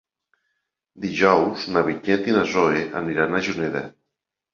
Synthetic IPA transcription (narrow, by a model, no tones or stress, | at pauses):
d̪iʒɔwznaβiɲent̪inazoeʔa̰niɾanaʒuneða̰